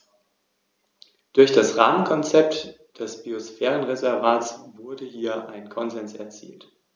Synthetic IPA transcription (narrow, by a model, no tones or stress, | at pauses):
d̥ʊɐçd̥asʁaːmənkʰɔnt͡sɛp̚t | d̥ɛsb̥iosfɛːʁ̞ənʁezɛɐvaːtsvʊɐdəhiːɐʔaɪnkʰɔnzɛnsɛɐt͡sḭːlt